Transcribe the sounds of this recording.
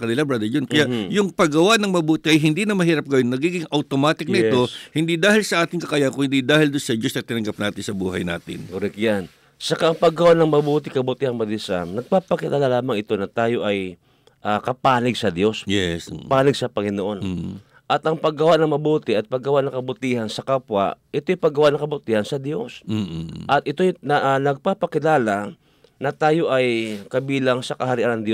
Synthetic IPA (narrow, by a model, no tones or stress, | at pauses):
kɐnɪlabɾad̪ɛd͡ʒonkɐjaʔjʊŋpɐɡɐwaʔnɐŋmɐbuːt̪ɪʔɐjɦɪnd̪inɐmɐɦiːɾɐp̚ɡɐjonːɐɡiːɡɪŋʔɐwt̪omaːt̪ɪknɐʔɪt̪o̞hɪnd̪id̪aːhɪlsɐʔaːt̪ɪŋkɐkaːjakʊŋhɪnd̪id̪aːhɪld̪onsɐd͡ʒosnɐt̪ɪnɐŋɡap̚naːt̪ɪnsɐbṵːɦɐjna̰ːt̪ɪ̰nkoɾɪkjan | t͡ʃɐkaʔɐŋpɐɡɐwanɐŋmɐbuːt̪ɪkɐbuːt̪ɪhɐŋmɐd̪ɪsa̰mnɐɡ̚papɐkɪt̪alalaːmɐŋɪt̪o̞nɐt̪aːjo̞ʔɐj | ʔakɐpaːlɪɡsɐd̪jo̞sjɛspaːnɪɡsɐpɐŋɪnoʔo̞n | ʔɐt̪ʔɐŋpɐɡɐwaʔnɐŋmɐbuːt̪ɪʔɐt̪̚pɐɡɐwaʔnɐŋkɐbʊt̪ihansɐkapwa̰ʔʔɪt̪ojpɐɡːɐwaʔnɐŋkɐbʊt̪iːhɐnsɐd̪jo̞s | ʔɐt̪ʔɪt̪o̞jnʔnɐɡ̚papɐkɪlaːla | nɐt̪aːjo̞ʔɐjkɐbiːlaŋsɐkɐhɐɾɪʔanɐŋd̪jo